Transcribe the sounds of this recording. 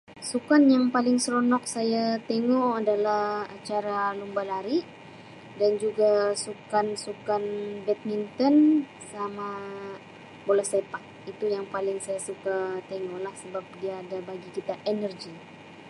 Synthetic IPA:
sukanjaŋpalɪŋsəɾonɔk̚sajat̪eŋɔadalahat͡ʃaɾalumbalaɾi | dand͡ʒuɡasukansukanbɛt̪̚mint̪ɔn | sama | bolɛhsepak̚it̪ujaŋpalɪŋsajasukat̪eŋɔlahsəbap̚diaːdabaɡikit̪aʔenərd͡ʒi

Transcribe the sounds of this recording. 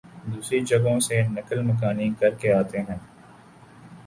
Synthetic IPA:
d̪uːsɾid͡ʒɐɡõsenɐkəlmɐk̬aːnĩːkɐɾkeaːt̪eɦɛ̃ː

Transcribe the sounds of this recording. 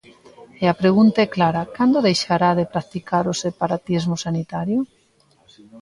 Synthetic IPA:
eapɾeɣ̞unt̪aɛklaɾakand̪oðejʃaɾaðepɾak̚t̪ikaɾosepaɾat̪izmosanit̪aɾjʊ

